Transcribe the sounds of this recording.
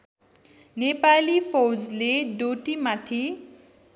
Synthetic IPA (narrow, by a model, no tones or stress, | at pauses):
nepalipʰowd͡zleɖoʈimat̪ʰi